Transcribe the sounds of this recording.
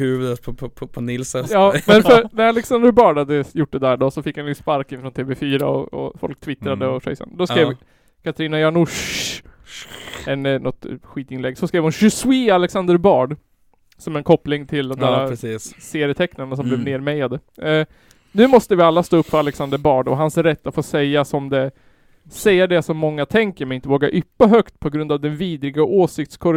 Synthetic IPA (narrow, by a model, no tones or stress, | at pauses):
hʉ̟ːvd̪ət̪pʰɔpʰɔnɪlsəjɑːmɛnfœɾnæɾalɛksand̪əɾbɑːɖhad̪ːəjʊʈ̚ːd̪ɛd̪æɖɔsɔfɪkːhanʉspaɾkɪnfɾɔnt̪ʰeːvɛfyːɾa̰ɔ̰ɔ̰fɔ̰lk̚t̪ʰvɪt̪ɾad̪əɔʂɛ̰ɪsa̰nd̪ɔskɾeːv | kʰat̪ɾiːnajɑɳʊʂ | ɛnnɔt̪ɧiːt̪ɪnlɛɡːsɔskɾeːvhʊnɕɵswialɛksand̪əɾbɑːɖ | sɔmɛnkʰɔpːlɪŋt̪ʰɪld̪ɛnd̪æːsseːɾɪət̪ʰɛknadɳas̬ɔmblɛvneːɾmɛjad̪ə | nʉ̟ːmɔst̪əvɪalːast̪oːɵpːfœɾalɛksand̪əɾbɑːɖɔ̰ɦansɾɛt̪ːafoːsɛjːasɔmd̪ɛ | sɛjːad̪ɛsɔmːɔŋːat̪ʰɛŋkəɾmɛnɪnt̪əvoːɡaʔʏpːaɦœkt̪pʰɔɡɾɵnd̪avd̪ɛnviːd̪ɾɪɡaʔoːsɪk̚t̪skʰɔɾ